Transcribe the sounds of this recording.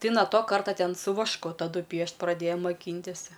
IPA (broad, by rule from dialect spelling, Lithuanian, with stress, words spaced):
ˈtɐɪ nɐ ˈtoː ˈkɐrtɐ ˈtʲɛn sʊ ʋɐʃˈkʊ tɐˈdʊ ˈpʲiɛʃt prɐˈdʲeːjɛ moːˈkʲiːnʲtʲɪsʲ